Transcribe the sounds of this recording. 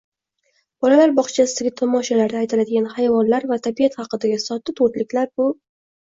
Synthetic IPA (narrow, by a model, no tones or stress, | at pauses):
b̥ɒlalaɾbɒχt͡ʃʰasɪ̥ɡʲat̪ʰɒmɒʃalaɾd̪aːjt̪ʰɪlad̪ɪɡʲanhajvɒnlaɾvat̪ʰabijat̪χɑqɨd̪aɡʲasɒt̪ːɪt̪ʰoɾt̪lɪkʲlaɾbʊ